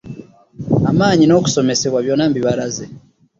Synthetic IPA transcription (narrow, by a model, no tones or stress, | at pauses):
amaːɲino̞ku̥so̞me̞se̞βwaβjonambiβaɾaze